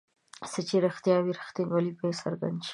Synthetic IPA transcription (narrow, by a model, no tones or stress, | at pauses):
sət͡ʃeɾaxt̪jɑwiɾaxt̪inwalipəjesa̰ɾɡa̰nd̪ʃi̥